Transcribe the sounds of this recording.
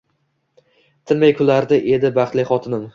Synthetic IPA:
t̪ʰɪnmajkʰʊlaɾd̪ɪʔe̞d̪ɪbɑχt̪lɪχɒt̪ʰɪnɪm

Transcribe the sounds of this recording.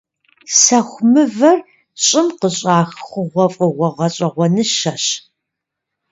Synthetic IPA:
sɐxʷmɨvɐr | ɕʼɪmqəɕʼaːxxʷʊʁʷɔfʼɨʁʷɔʁɐɕʼɐʁʷɔnɨʃɐɕ

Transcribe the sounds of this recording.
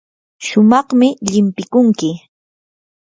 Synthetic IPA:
ʃʊmɑχmɪʎɪmpɪkʊŋkɪ

